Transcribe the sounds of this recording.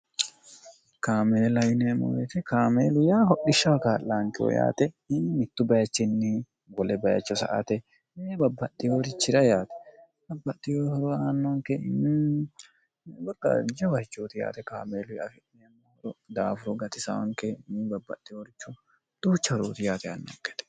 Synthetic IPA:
kaːmeːlɐjnɛɐmːɔ̰wet̪ɪkaːmeːlʊjaːhɔʔɪʃːɐwkaːlːaŋkɪwɔ̰ja̰ːt̪ɛ | ɪmɪt̪ːʊbɐjɐt͡ʃːɪnːɪ | wɔlɛbɐjɐ̰t͡ʃːɔsɐ̰ʔɐ̰t̪ɛ | ɪnːɛbɐbːɐt̪ːɪjoːɾɪt͡ʃːɪɾɐjaːt̪ɛ̥ | bɐbːɐt̪ːɪjoːhɔɾɔaːnːɔŋkɛnːɛ | bɐkːɐ̰d͡ʒɐwɐhɪt͡ʃːoːt̪ɪja̰ːt̪ɛkaːmeːlʊjɐ̰fɪnɛɐmːɔhɔɾɔd̪aːfʊɾɔɡɐt̪ɪsɐ̰wɐ̰ŋkɛnːɪbɐbːɐ̰t̪ːɪjoːɾɪt͡ʃːʊ | d̪̥uːt͡ʃːɐhɾoːt̪ɪjaːt̪ɛa̰nːɔ̰ŋkɛ̥t̪ɛ̥

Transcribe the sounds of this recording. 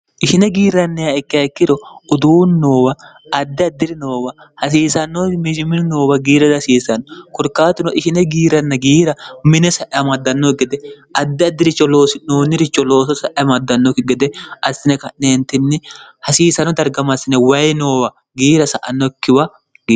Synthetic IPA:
ʔɪʃɪnɛɡiːɾɐnːɛjaɛkːɪjɐkːɪɾɔʊd̪uːnːo̞ːwɐ | ɐd̪ːɪɐd̪ːɪɾɪnoːwɐ | hɐs̬iːsɐnːomɪd͡ʒɪmɪnno̞ːwɐɡiːɾɐd̪ɐsiːsɐnːɔkɔɾkːaːt̪ʊnɔʔɪʃɪnɛɡiːɾɐnːɐɡiːɾɐmɪnɛsɐʔɐmɐd̪ːɐnːoɡɛd̪ɛʔɐd̪ːɪɐd̪ːɪɾɪt͡ʃːɔlo̞ːsɪnoːnːɪɾɪt͡ʃːɔlo̞ːsɔsɐʔɐmɐd̪ːɐnːɔɡɛd̪ɛɐsːɪnɛkɐneːnt̪ːɪnːɛhɐsiːsɐnɔd̪ɐɾɡɐmɐsɪnɛwɐjno̞ːwɐ | ɡiːɾɐsɐʔɐnːɔkːɪwɐ | ɡi

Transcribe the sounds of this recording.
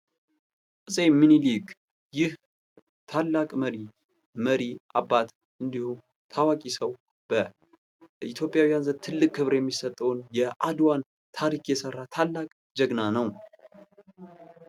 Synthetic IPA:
kʼɨsʼeminiliɡ | jɪh | t̪ʰalːakʼməɾi | məɾiʔabːat̪ | ʔɨnd̪ihu | t̪ʰawakʼisəw | b̥ə | it̪ʰjo̞pʼjawijanzət̪ʰɨlːɨkʼkːɨβɾjɛmːisət̪ʼːəwnjɛʔad̪wan | t̪ʰaɾikjɛsərːat̪ʰalːakʼ | d͡ʒəɡnanəw

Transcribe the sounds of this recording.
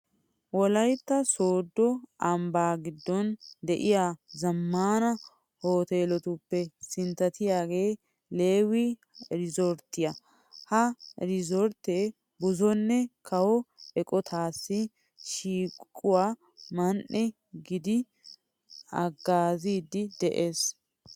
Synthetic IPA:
wɔlɐjt̪ːɐsoːd̪ːɔʔɐmbaːɡɪd̪ːɔnd̪ɛʔɪjaːzɐmːaːnɐ | ho̞ːt̪eːlɔt̪ʊpːɛsɪnt̪ːɐt̪ɪjaːɡe̞ː | le̞ːwi | ɾɪzoɾt̪ːɪjɐ | hɐɾɪzɔɾt̪eː | bʊzɔnːɛkʰɐwɔɛkʼɔt̪ʰaːsːɪ | ʃiːkʼːʊwaː | mɐnʔɛ | ɡɪd̪ɪ | ɐɡːaːziːd̪ɪd̪ɛʔeːs

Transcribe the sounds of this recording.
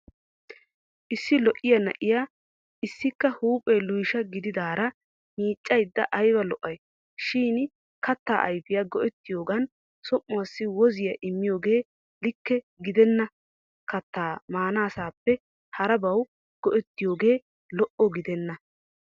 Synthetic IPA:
ʔɪsːɪlɔʔɪjɐnɐ̰ʔɪjaː | ʔɪsːɪkːɐhuːpʼːɛlʊjʃɐɡɪd̪ɪd̪aːɾɐ | miːt͡ʃʼːɐjd̪ːɐʔɐjbɐlɔʔɐj | ʃiːn | kɐt̪ːaːʔɐjfɪjɐɡɔʔɛt̪ːɪjo̞ːɡɐn | sɔmːʊwasːɪwɔzɪjɐʔɪmːɪjo̞ːɡe̞ː | lɪkːɛ | ɡɪd̪ɛnːɐ | kɐt̪ːaːmaːnaːsaːpːɛ | hɐɾɐbɐw | ɡ̥ɔʔɛt̪ːɪjo̞ːɡe̞ː | lɔʔɔɡɪd̪ɛnːɐ

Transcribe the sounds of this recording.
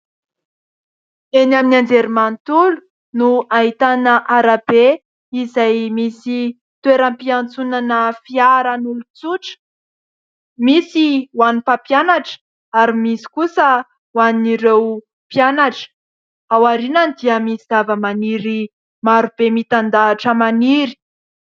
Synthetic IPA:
enaminand͡zeɾimant̪ulu̥ | nuaɦit̪anəʔaɾabe | izajmisi | t̪weɾampiant͡sunanəfiaɾanulut͡suʈ͡ʂə̥ | misiwanipapjanaʈ͡ʂə̥ | aɾimisi̥kusə | waniɾew | pjanaʈ͡ʂə̥ | awaɾinand̪iəmisiz̥avəmaniɾi | maɾub̥emit̪and̪aːʈ͡ʂəmaniɾi̥

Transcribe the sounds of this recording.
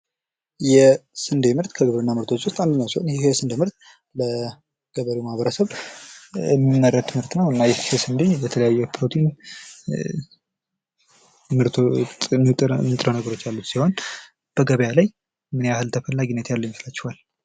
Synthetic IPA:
jɛsɨnd̪emɨɾt̪kʰəɡɨβɾɨnːamɨɾt̪ʰo̞t͡ʃːwʊst̪ʼand̪əɲːawsihonjɛsɨnd̪əmɨɾt̪ | lə | ɡ̥əβəɾimahβəɾəsəβ | ɛmːinːərːət̪ʰːɨmɨɾt̪nəwɨnːajɛesɨnd̪ebət̪ʰələjajːɛpʰɨɾot̪ʰin | mɨɾt̪ʰoɨnɨt̪ʼɾənəɡəɾo̞t͡ʃːjalːut̪siho̞n | b̥əɡəβəjalaj | mɨneahɨlt̪ʰəfəlːaɡinːət̪jalːəwjməslat͡ʃːɪhal

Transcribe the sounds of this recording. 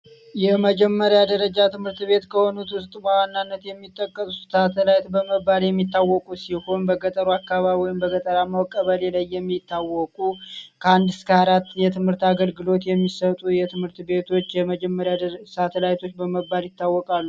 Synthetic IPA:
jɛməd͡ʒɛmːəɾjad̪əɾəd͡ʒat̪ʰɨmhɨɾt̪be̞t̪kʰəho̞nut̪wʊst̪ʼbəwanːanːət̪jɛmːit̪ʼːəkʼːəsuuat̪ʰəlajt̪bəməbːaljɛmːit̪ːawːɔkʼusiho̞nbəɡət̪ʼəɾuakːaβaβɔjɪmbəɡət̪ʼəɾamawkʼːəβəlelajːɛmːit̪ːawɔkʼukʰəand̪ɨskʰəaɾat̪ːjɛt̪ʰɨmhɨɾt̪aɡəlɡɨlo̞t̪jɛmːisət̪ʼujɛt̪ʰɨmhɨɾt̪be̞t̪ʰo̞t͡ʃːjɛməd͡ʒɛmːəɾjasat̪ʰəlajt̪ʰo̞t͡ʃːbəməbːaljɪt̪ːawːɔkʼalːu

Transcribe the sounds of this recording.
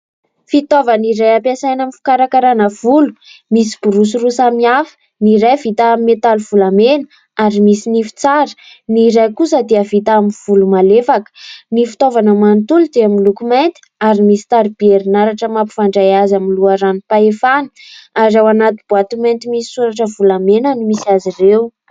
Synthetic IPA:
fit̪ovaniɾajapasajnamifi̥kaɾakaɾanəv̥ulu̥misi̥b̥uɾus̬irusamiafə̥ | niɾajvit̪amet̪aluv̥ulamen | aɾimisinifi̥t͡saɾə̥ | niɾajkusəd̪eəvit̪amiv̥ulumalefakə̥nifi̥t̪ovanəmant̪ulud̪eaminlukument̪i̥aɾimisi̥t̪aɾib̥ieɾinaɾaʈ͡ʂəmapi̥faɳɖ͡ʐajazaminluaɾanipaefani̥aɾawanat̪ib̥uat̪ument̪imisi̥suɾaʈ͡ʂəvulamenənimisiazirew

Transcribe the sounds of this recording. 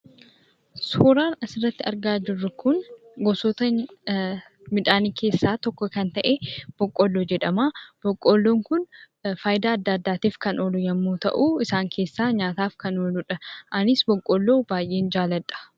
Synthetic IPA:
soːɾaːnɐsɪrːɐt̪ːɪɐɾɡaːd͡ʒɪrːʊkʊnɡɔsoːt̪ɐ | mɪᶑ̪aːniːkʰe̞ːsːaːt̪ɔkːɔkɐnt̪ɐʔeb̥ɔkʼːolːoːd͡ʒɛᶑɐmaːb̥ɔkʼːolːoːŋkʊn | faːjd̪aːɐd̪ːaːd̪ːaːt̪iːfkɐnoːlʊjɐmːuːt̪ɐ̰ʔuːɪsaːŋkʰe̞ːsːaːɲaːt̪aːfkɐnoːlʊᶑɐʔɐnɪsbɔkʼːolːoːbaːjʔe̞ːnd͡ʒaːlɐt̪ʼːɐ̥

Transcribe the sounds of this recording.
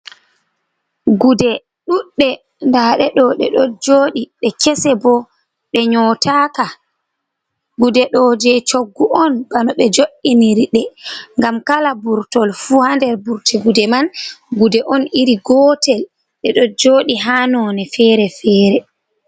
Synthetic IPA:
ɡudɛ | ɗuɗːɛ | ndaɗɛɗɔɗɛ̰ɗɔd͡ʒoːɗiɗɛkɛsɛbɔ | ɓɛɲɔtʰaka | ɡudɛɗɔd͡ʒɛt͡ʃoɡːuʔɔnb̥anɔɓɛd͡ʒoɗiniɾiɗɛŋɡamkalabuɾtɔlfuhandɛɾbuɾtɛɡudɛmanɡudɛʔɔniɾiɡɔtɛl | ɗɛɗɔd͡ʒoːɗiɦaːnɔnɛfɛːɾɛfɛːɾɛ

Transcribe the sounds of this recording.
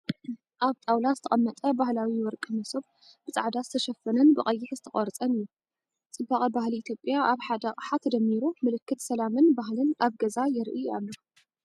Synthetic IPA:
ʔaβt̪ʼawlazɨt̪ʰɐ̰χʼɐmːɐt̪ʼɐbahlawiwɔɾkʼɨmɐsob | b̥ɨt͡sʼaʕd̪azɨt̪ʰɐʃɐfːɐnɐnbɨχʼɐjːɪħzɨt̪ʰɐχʼɐɾt͡sʼɐnɨjːu | t͡sʼɨbːaχʼɐbahliːt̪ʰjo̞pʼjaaβħad̪ɐqʼħat̪d̪ɐmːiɾumɨlɨkʰːɨt̪sɐlamɨnbaɦlɨnaβɡɐzajɪɾʔɨa̰lːo

